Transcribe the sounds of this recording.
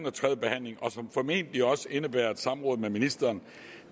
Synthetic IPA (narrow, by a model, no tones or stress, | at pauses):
nɒt͡sʰʁɛðˠb̥e̝hæn̰le̝ŋɒ̽sɒ̽mfɒ̽me̝̰ːnd̥liɒ̽səe̝nəb̥æːɐ̰ed̥sɑ̈mʁɔ̽ːðˠmeminisd̥ɐːn